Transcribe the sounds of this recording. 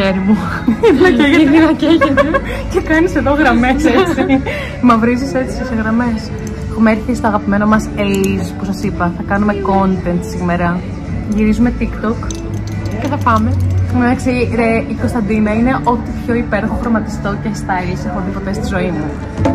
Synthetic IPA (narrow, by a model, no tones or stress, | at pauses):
çeɾimu | ðinɐeinɐceʝeti | ce̞kɐnise̞ðo̞ɣɾɐmeset͡si | mɐvɾiziset͡si̥seseɣɾɐme̞s | xumeɾθist̪oɐɣɐpime̞nomɐselizpusɐsipɐθɐkɐnume̞ko̞nt̪e̞nt̪sime̞ɾɐ | ʝiɾizume̞t̪ikt̪o̞k | ceθɐpɐmemed̪ɐksiɾeiko̞st̪ɐnd̪inɐine̞ʔo̞t̪ipço̞ipe̞ɾoxofɾomɐt̪i̥st̪o̞cest̪ɐelisexoðipot̪est̪izo̞imu